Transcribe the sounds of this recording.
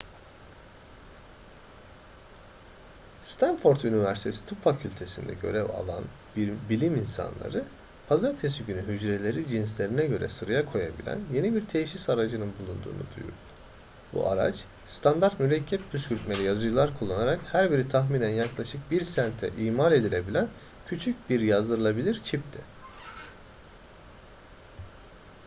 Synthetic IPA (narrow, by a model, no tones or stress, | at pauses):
st̪ʰanfo̞ɾt̪ynivæɾsit̪ʰesi̥t̪ʰupfacʰylʲt̪ʰe̞sḭnd̪ɛ̰ɟø̞̰ɾɛva̰lˠa̰n | bilʲiminsa̰nlˠa̰ɾɯ | pʰazaɾt̪ʰes̬iɟynyɦyd͡ʒɾelʲe̞ɾid͡ʒinslʲe̞ɾinɛɟø̞ɾɛ̰sɯɾajakʰo̞jabḭlʲæ̰nje̞nibiɾt̪ʰejʃisaɾad͡ʒɯnɯnbulˠund̪ṵːnṵd̪ṵjṵɾ | bṵʔa̰ɾa̰t͡ʃ | st̪ʰand̪aɾt̪myɾɛcʰːɛp̚bʰyscʰyɾt̪melʲijazɯd͡ʒɯlˠaɾkʰulˠːanaɾakhæɾbiɾit̪ʰaxmiːnænjaklˠaʃɯk̚biɾsænt̪ʰɛ̰ʔiːmalʲe̞d̪ilʲe̞bilʲæn | cʰyt͡ʃʰyc̚biɾjazd̪ɯɾɯlˠabilʲiɾt͡ʃʰip̚t̪ʰi